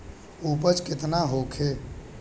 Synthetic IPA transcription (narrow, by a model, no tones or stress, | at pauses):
upət͡ʃket̪naɦokʰe